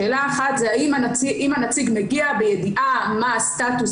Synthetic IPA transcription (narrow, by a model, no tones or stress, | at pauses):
eːlaːχat̪zeaimanat͡siʔimanat͡siɡmeɡiabejediʔamaːstat̪us